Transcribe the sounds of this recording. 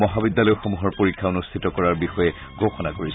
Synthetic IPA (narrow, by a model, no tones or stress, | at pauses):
mɔɦabid̪ːalɔjʊxomuɦɔɹpoɹikʰːaunustʰitɔkɔɹaɹbixɔjɛ | ɡʱoxɔnakoɹis